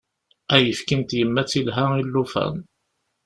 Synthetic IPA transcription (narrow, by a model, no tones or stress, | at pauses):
æjəfkint̪jəmːæt͡sːilɦæilːufæ̰n